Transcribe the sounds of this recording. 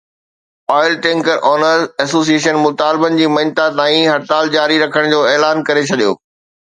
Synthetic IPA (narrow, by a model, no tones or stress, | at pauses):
ɔːɪlʈẽːŋkəɾʔɔːnəɾzɛːsoːs̬ieːʃənmʊt̪aːlɪbənɪ̆d͡ʑiːmɐnt̪at̪ãːĩɦɐɾt̪aːld͡ʑaːɾiɾɐkʰəɽ̃d͡ʑoːeːlaːnkɐɾet͡ɕʰɐɗijo̰ː